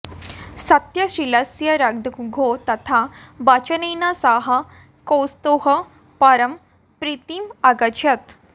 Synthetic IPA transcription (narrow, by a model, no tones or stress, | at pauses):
sɐt̪jɐɕɾilɐsjɐɾad̪ɡʱot̪ɐt̪ʰabat͡ɕənejnasaɦa | kowst̪oɦɐ | paɾəm | pɾit̪imaɡɐt͡ɕʰɐt̪